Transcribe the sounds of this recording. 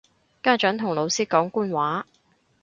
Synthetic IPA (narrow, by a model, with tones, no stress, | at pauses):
kaː˥t͡ʃœː˨˥ŋt̪ʰʊ˨˩ŋlo˨˧wsiː˥kɔː˨˥ŋkuː˥nwaː˨˥